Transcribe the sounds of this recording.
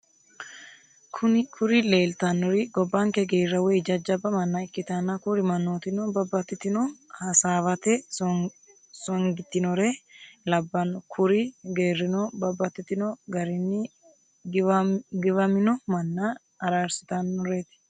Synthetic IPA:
kʰʊnkʰʊɾɪle̞ːlt̪ɐnːɔɾɪɡɔbːɐŋkɛɡeːrːɐwɛjd͡ʒɐd͡ʒɐbɐmɐnːɐɪkːɪt̪ɐnːɐkʊɾɪmɐnːoːt̪ɪnɔbɐbːɐt̪ːɪt̪ːɪnɔhɐsaːβɐt̪ɛ | sɔŋɡɪt̪ːɪnɔɾelɐbːɐnɔkʰʊɾɪɡe̞ːrːɪnɔbɐbːɐt̪ːɪt̪ːɪnɔɡɐɾɪnːɪ | ɡɪβɐmɪnɔmɐnːɐː | ɾaːɾsɪ̥t̪ɐnːɔɾeːt̪ɪ̥

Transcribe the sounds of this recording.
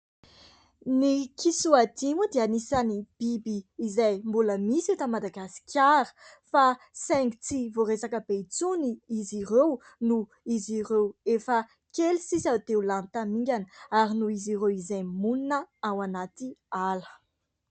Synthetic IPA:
nikʰisuad̪imud̪eanisanib̥ibiːzajmbuləmisewt̪amad̪aɡasi̥kʰʲaɾə̥ | fa | sɛŋɡit͡sivoɾesakəbet͡suniiziɾew | nu | iziɾewefə | kelisisat̪eulant̪amiŋɡʲanəaɾinuiziɾewizajmuninəawanat̪ialə̥

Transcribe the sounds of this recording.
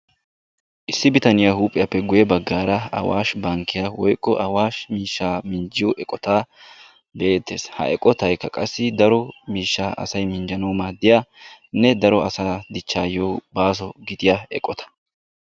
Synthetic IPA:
ʔɪsːɪbɪt̪ɐnɪjahuːpʼːɪjɐpːɛɡʊjɛbɐɡːaːɾɐɐ̰wa̰ːʃbɐŋkːɪjawɔjkʼːɔʔɐwaːʃmiːʃːaːmɪnd͡ʒɪjɔʔɛkʼɔt̪aː | be̞ːt̪ːḛːshɐ̰ɛkʼːɔt̪ɐjkːɐkʼɐsːɪd̪ɐɾɔmiːʃːaːʔɐ̰sɐjmɪnd͡ʒɐnɐwmaːd̪ɪjaːnɛd̪ɐɾɔɐsaːd̪ɪt͡ʃːaːjowbaːs̬ɔɡɪd̪ɪjaɛkʼːɔt̪ɐ̥

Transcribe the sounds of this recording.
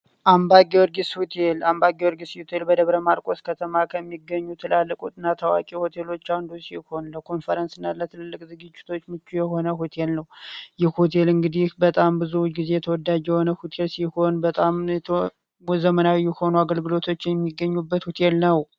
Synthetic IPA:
ʔambaɡewɔɾɡishut̪ʰelambaɡewɔɾɡishut̪ʰelbəd̪əβɾəmaɾkʼo̞skʰət̪ʰəmakʰəmːiɡːəɲːut̪ʰɨlalːəkʼut̪ʼɨnːat̪ʰəwa̰kʼiho̞t̪ʰe̞lo̞t͡ʃːawnd̪usiho̞nləkʰo̞nfəɾənsɨnːalət̪ʰɨlɨlːɨkʼzɨɡɨd͡ʒːɪ̥t̪ʰo̞t͡ʃːmɨt͡ʃːujɛho̞nəhut̪ʰe̞lnəwjɛhot̪ʰe̞lɨŋɡɨd̪ihbət̪ʼambɨzuɡize̞jɛt̪ʰəwɔd̪ːad͡ʒjɛho̞nəhut̪ʰe̞lsiho̞nbət̪ʼamɛt̪ʰ | wzəmənawijɛho̞nuaɡəlɡɨlo̞t̪ʰo̞t͡ʃːjɛmːiɡːəɲːubːət̪hut̪ʰe̞lnəw

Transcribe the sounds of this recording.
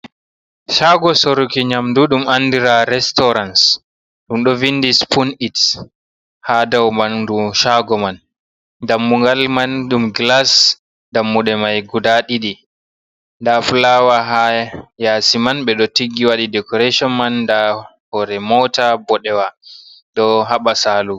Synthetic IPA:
ʃaɡɔsoɾukiɲamduɗumanːdiɾaɾɛstɔɾans | ɗumɗɔvinːdispʰunit | hadawmanduʃaɡɔman | damːuŋɡalmanɗumɡlas | damːuɗɛmajɡudaɗiɗi | ndafulawaɦajaːsimanɓɛɗɔtiɡːiwaɗidɛkɔɾeʃɔnmandahɔɾɛmɔtabɔɗɛwaɗɔɦaɓasaːlu

